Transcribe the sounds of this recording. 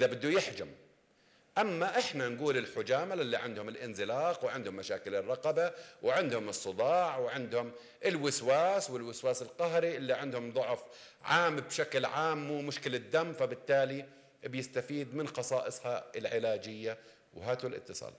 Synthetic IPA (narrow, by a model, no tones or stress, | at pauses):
ʔɪðabɪd̪ːujɪħd͡ʒam | ʔamːaʔɪħnanɡuːlɪlħʊd͡ʒaːmalʔɪlːiʕɪnd̪hʊmɪlʔɪnzɪlɑːqwʕɪnd̪hʊmːaʃaːkɪlɪrˤːɑqɑbawʕɪnd̪hʊmɨsˤːɨd̪ˤɑːʕwɪʕɪnd̪hʊm | ʔɪlwɪswaːswɪlwɪswaːsɪlqɑɦɾiʔɪlːiʕɪnd̪hʊmðˤʊʕf | ʕaːmbʃaklʕaːmwɪmʊʃkɪlad̪ːamːfabɪt̪ːaːli | bjɪst̪afiːd̪mɪnxɑsˤɑːʔɨsˤhɑɪlʕɪlaːd͡ʒɪjːa | wɦaːt̪ulʔɪ̰t̪ːɨsˤɑ̰ːl